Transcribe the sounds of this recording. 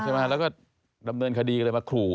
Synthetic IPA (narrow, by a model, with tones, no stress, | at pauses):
kʰɯː˧maː˧˩lɛ˦˥wkɔː˥˩ | da˧mnɤː˧nkʰa˧diː˧lːɤː˧jmaː˧kʰɾuː˨˩